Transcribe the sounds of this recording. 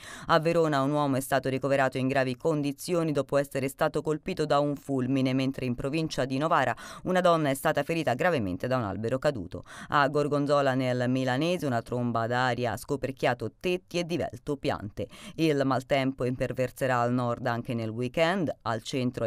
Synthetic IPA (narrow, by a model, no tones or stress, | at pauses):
avːeɾoːnaunwɔːmoɛst̪aːt̪oɾikoveɾaːt̪oiŋɡɾaːvikond̪it̪sːjoːnid̪ɔːpoɛsːeɾest̪aːt̪okolpiːt̪od̪auɱfulminement̪ɾʔeimpɾovint͡ʃad̪inovaːɾaunad̪ɔnːaɛst̪aːt̪afeɾiːt̪aɡɾavemḛnt̪ed̪auna̰lbeɾokad̪ṵːt̪o̰aɡːorɡond̪zɔːlanelmilanɛːzeunat̪ɾombad̪aːɾja̰skoperkjaːt̪ot̪et̪ːied̪ːivɛ̰lt̪opja̰nt̪eilmalt̪ɛmpoimpervert̪seɾaːlnɔrd̪aŋk̟enelwikɛnd̪alt͡ʃɛnt̪ɾo